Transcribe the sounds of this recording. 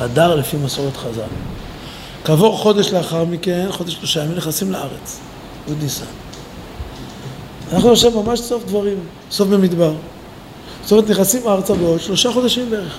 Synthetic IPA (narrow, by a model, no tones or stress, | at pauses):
ad̪aʁlefimasoʁet̪χaza̰l | kavo̞ʁχo̞d̪eʃleaχaʁmikenχo̞d̪eʃloʃajamimneχasimleaʁet͡s | od̪nisa̰ | anaχnunoʃevmamaʃso̞fd̪vaʁim | so̞fbemid̪baʁ | ot̪omt̪neχasimaʁt͡sabeod̪ʃlo̞ʃaχo̞d̪aʃimbeeʁeχ